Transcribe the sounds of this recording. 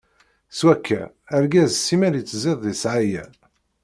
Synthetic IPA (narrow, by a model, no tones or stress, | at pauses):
swækʰːæ̰ | æɾɡæzsːimæɾjit͡sːzeðˤðisʕajæ̰